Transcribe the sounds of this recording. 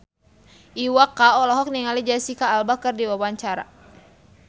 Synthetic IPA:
ʔiwakːaɔlɔɦɔk̚niŋalid͡ʒasikaːlbakərdiwawaɲt͡ʃaɾa̰

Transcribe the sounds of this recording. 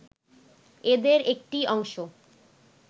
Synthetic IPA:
ed̪eɾek̚ʈiɔŋʃo

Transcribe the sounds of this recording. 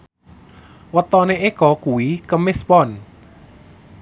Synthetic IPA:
wət̪ɔneʔekɔkuikəmɪspɔn

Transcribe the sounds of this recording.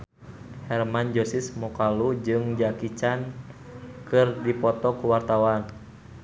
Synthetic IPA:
hɛrmand͡ʒosismɔkalud͡ʒɨŋd͡ʒakit͡ʃan | kɨrdipɔt̪ɔkuwart̪awan

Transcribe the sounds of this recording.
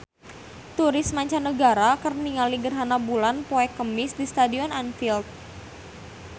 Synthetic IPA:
t̪uɾɪsmaɲt͡ʃanːəɡaɾakərniŋaliɡərɦanabulanpoɛkəmɪsdist̪adiɔnanfilt̪̚

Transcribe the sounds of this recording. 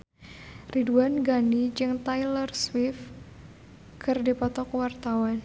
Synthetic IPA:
riduanɡanit͡ʃɨŋt̪ajlɔrswɪf | kʰərdipɔt̪ɔkwart̪awan

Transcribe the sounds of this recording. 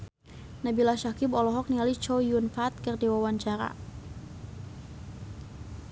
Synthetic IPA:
nabilaʃakɪbɔlɔɦɔk̚nialit͡ʃɔjunfat̪̚kərdiwawaɲt͡ʃaɾa̰

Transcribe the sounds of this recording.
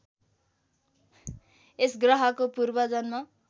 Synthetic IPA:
esɡrʌɦʌkopurbʌd͡zʌnma

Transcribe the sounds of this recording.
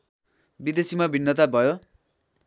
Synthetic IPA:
bid̪esimabʱinːʌt̪abʱʌjo

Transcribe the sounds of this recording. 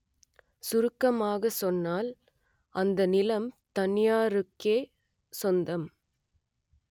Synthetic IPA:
sʊɾɯkːɐmaːɣɐsɔnːaːl | ʔɐnd̪ɐnɪlɐmt̪ɐnɪjaːɾɯkːeː | sɔnd̪ɐm

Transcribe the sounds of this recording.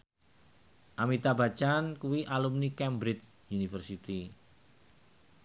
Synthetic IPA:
ʔamit̪abat͡ʃankuwiʔalumnikɛmbɾɪt͡ʃjunifərsit̪i

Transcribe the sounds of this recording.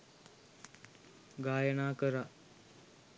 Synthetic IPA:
ɡaːjənaːkəɾa

